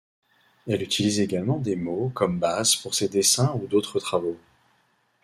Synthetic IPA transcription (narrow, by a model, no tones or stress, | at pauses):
ɛlyt̪ʰilizeɡalmɑ̃d̪emokɔmbazpuʁsed̪esɛ̃ud̪ot̪χət̪χavo